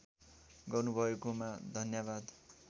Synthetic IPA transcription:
ɡʌrnubʱʌekomad̪ʱʌnjʌβad̪

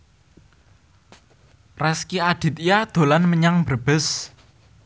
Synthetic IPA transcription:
rɛskiad̪̥ɪ̤t̪̚ijad̪̥o̤lanməɲaŋb̥ərb̥ə̤s

